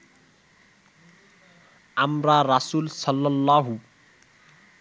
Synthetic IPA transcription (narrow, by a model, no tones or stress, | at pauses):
amrarʌsuːlsʌlːʌlːaɦu